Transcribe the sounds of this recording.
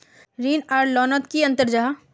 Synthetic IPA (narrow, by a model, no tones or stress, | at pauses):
ɾiːnaːɾɖlɔːnət̪kiɐ̃nt̪əɾd͡ʒaː